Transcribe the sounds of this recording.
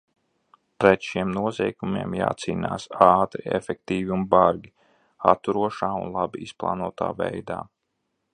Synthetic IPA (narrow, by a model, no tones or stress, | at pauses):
pɾɛt̪ʃiɛmnuɔzɛjkumiɛmja̰ːt̪siːna̰ːsaːt̪ɾiɛ̰fʲɛk̚t̪iːviunbaɾɡʲi | a̰t̪ːuɾuɔʃaːunlˠabiisplˠa̰ːnuɔt̪a̰ːvɛjd̪a̰ː